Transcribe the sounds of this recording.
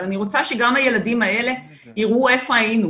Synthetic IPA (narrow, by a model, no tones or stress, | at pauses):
aniʁo̞t͡saʃe̞ɡamhaje̞ladimae̞le̞ | iʁʔue̞fo̞ajinu